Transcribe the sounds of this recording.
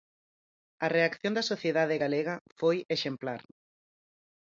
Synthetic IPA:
ɐreakθjõnd̪ɐsoθjeðaðeɣaleɣɐfojeʃemplaɾ

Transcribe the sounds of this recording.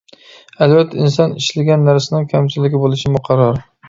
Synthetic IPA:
ælvɛt̪ʰːɛins̬ɑnɪʃlɪɡʲɛnːæɾsɪnɪŋkʲʰæmt͡ʃʰilːɪɡʲɪbolˠɪʃɪmʊqʰɑɾɒɾ

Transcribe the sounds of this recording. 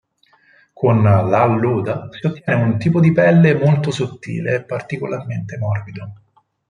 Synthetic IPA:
kʰonlalːuːd̪asiot̪ːjɛːneunt̪iːpod̪ipɛlːemolt̪osot̪ːḭːleːpːart̪ikolʔarment̪emɔrbid̪o

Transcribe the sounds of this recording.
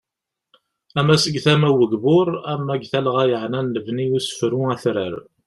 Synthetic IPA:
æmæsəɡθæmæwəɡbʊɾæmːæɡθælʁæjəʕnænːəvniusə̥fɾuæθɾə̰ɾ

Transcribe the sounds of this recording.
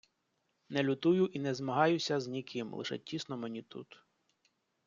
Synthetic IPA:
nɛlʲʊt̪ujʊʔinɛzmɐɦɑjʊsʲɐznʲikɪmlˠɪ̰ʃɛ̰tʲisnɔmenʲit̪ṵt̪

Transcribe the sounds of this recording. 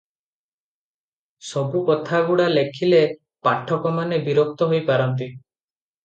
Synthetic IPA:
sɔbukɔt̪ʰaɡuɽalekʰile | paʈʰːɔkɔmanebiɾok̚t̪ɔɦojpaɾɔnt̪̬i

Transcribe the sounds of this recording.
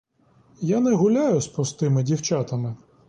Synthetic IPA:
janɛɦʊlʲajʊspɾɔst̪ɪmɪdʲiwt͡ʃat̪ɐmɪ

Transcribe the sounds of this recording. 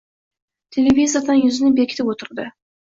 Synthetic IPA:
t̪ʰelʲevʲizijad̪ɑnjʏzɪnɪbekʲʰɪ̥t̪ɪpwot̪əɾd̪ə

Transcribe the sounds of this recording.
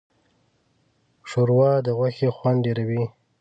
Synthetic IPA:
ʂoɾwɑd̪əɣwaxexwaɳɖeɾawi

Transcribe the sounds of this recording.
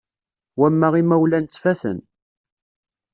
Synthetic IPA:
wæmːæʁimæwlænt͡sːfæθə̰n

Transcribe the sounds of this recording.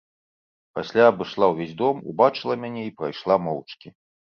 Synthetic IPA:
pa̰sʲlʲaːbɨʂlˠawvʲezʲd̪ɔmṵbat͡ʂɨlˠɐmʲanʲɛipɾajʂlˠamɔwt͡ʂkʲi

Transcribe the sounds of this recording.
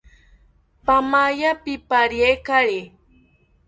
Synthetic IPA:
pamajapɪpaɾjekaɾe

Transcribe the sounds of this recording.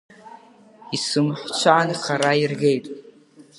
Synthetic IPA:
isɨmħʷt͡ʃʷʰaːnχʰaɾairɡe̞jtʼ

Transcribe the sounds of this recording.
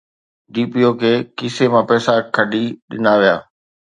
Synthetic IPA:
ɖiːpioːkʰeːkɪsemãpɛːsakʰəɖiɗɪ̰naːʋijaː

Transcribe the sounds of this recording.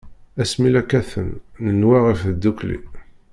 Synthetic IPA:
æsmilækːæθə̰nːənwaʁəfd̪ːuklḭ

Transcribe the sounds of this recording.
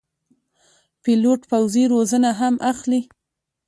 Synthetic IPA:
piloʈpawziɾozənaɦamʔaxli

